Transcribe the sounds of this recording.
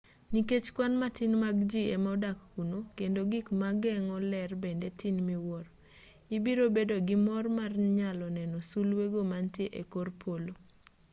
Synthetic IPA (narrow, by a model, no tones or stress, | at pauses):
niket͡ʃkwanmatinmaɡd͡ʒiemɔdakːunokendoɡikmaɡɛŋɔlɛrbendetʰinmiwɔɾ | ibiɾobedoɡimɔrmarɲalɔnɛnɔsulweɡomantjeʔekorpʰolo